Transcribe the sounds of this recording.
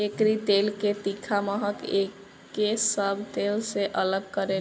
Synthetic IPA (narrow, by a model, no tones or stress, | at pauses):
ekɾit̪elket̪ikʰaməɦəkekː | esəbʱt̪elseʔələɡkəɾe